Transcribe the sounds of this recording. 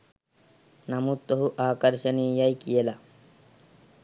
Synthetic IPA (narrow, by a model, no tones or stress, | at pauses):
nɐmut̪ːoɦuʔaːkɐɾʃɐniːjɐjkijelɐ